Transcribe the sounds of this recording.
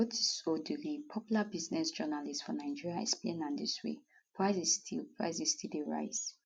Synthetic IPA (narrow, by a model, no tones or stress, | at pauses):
otsodulipʰɔpjulabiznɛsd͡ʒɜnalistsfɔnaɪd͡ʒiɹiaɛ̰ksplḛ̃nãndiswḛ | pʰɹaɪzistʰilpʰɹa̰ɪzistildeɹa̰ɪz